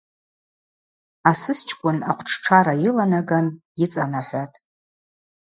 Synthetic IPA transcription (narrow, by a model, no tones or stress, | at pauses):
asɨst͡ʃʰkʷʼʊnaqʷʰʈ͡ʂʰʈ͡ʂʰaɾajilanaɡanit͡sʼanaħʷatʼ